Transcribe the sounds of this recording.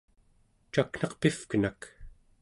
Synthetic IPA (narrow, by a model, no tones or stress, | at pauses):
t͡ʃakn̥ɑqpifkənak